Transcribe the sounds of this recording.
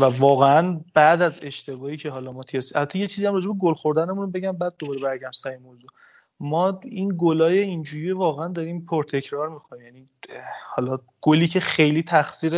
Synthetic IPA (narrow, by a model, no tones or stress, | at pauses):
vævɒːɣeænbæʔd̪æze̞ʃt̪ʰe̞bɒːhiːcʰe̞ɦɒːlɒmɒːt̪ʰiɒsiʔælbæt̪ʰːejet͡ʃʰiziːæmrɒːd͡ʒe̞beɡolxo̞ɾd̪ænemunobe̞ɟæmbæːd̪̚ːobɒːɾe̞bæɾɡæmsæjemold̪u | mɒːinɡolɒːje̞ind͡ʒuːɾijevɒːɣeænd̪ɒɾiːmpʰoɾt̪ʰe̞cʰɾɒɾmixoniːmjæni | hɒːlɒ | ɡ̥oliːcʰe̞χe̞jliːt̪ʰæxsiːɾe